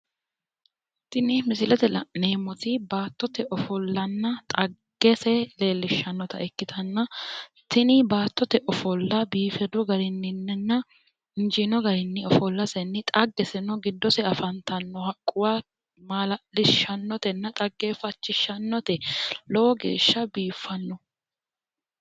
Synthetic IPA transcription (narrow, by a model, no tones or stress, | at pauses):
t̪ɪnɪmɪsɪlɛt̪ɛlne̞ːmɔt̪ɪbaːt̪ːɔt̪ɛʔɔfɔlːɐnːɐt̪ʼɐɡ̥ːɛsɛleːlːɪʃːɐnːɔt̪ɐʔɛkːɪt̪ʰɐnːɐt̪ɪnɪbaːt̪ːɔt̪ɛʔɔfɔlːɐbiːfɛd̪ʊɡɐɾɪnːɪnːɛnːɐ | ɪnd͡ʒɪnɔɡɐɾɪnːɪɔfɔlːɐsɛnːɪt̪ʼɐɡːɛsɛnɔɡɪd̪ːɔsɛɐfɐnt̪ɐnːɔhɐkʼːʊwa | maːlɐlɪʃɐnːɔt̪ɛnːɐt̪ʼɐɡːefɐt͡ʃːɪʃːɐnːɔt̪ɛlɔwɔɡḛːʃːɐbiːfːɐnːɔ